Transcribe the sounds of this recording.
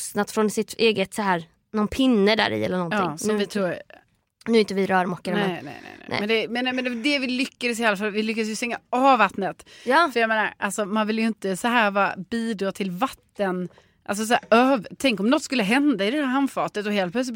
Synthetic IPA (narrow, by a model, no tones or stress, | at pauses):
st̪nat̪fɾɔnsɪt̪eːɡət̪saɦæːɾ | nɔnpʰɪnːəd̪æ̰ːɾɪ̰ɛ̰lːəɳɔnj̪ɑːɪːŋsɔvɪt̪ʰɾuː | nʉːɪnt̪əvɪɾœːɾmɔkːəɾmnɛnɛ̰nɛ̰nɛ̰ɛ̰mɛnd̪ɛmɛnamɛnɛɛd̪ɛvɪlʏkːad̪sɪhalːafalvɪlʏkːads̬jəst̪ɛŋːaɑːvvat̪nət̪jɑːfœɾjameːnaɾʔalsɔmanvɪljɵɪnt̪əsɔɦæːɾvɑːa̰biːd̪ɾɑːt̪ʰɪlvat̪ːən | ʔals̬ɔs̬æːøːvt̪ʰɛŋkɔmnɔt̪ːskɵlːəɦɛnd̪aɪd̪ɛd̪æːɾɦanfɑːt̪ət̪ɔɦeːl̚plœtslɪ